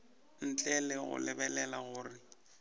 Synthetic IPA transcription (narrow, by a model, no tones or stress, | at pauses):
n̩t͡ɬʼɛlɪɣʊ̰lɪbɛlɛlaɣʊːrɪ